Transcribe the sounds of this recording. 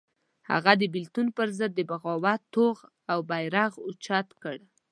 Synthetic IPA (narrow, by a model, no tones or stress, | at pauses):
ha̰ɣad̪əbɪlt̪unpəɾzəd̪̚ːəbaɣɑwat̪ːoɣ | awbajɾaɣot͡ʃɑt̪kəɽ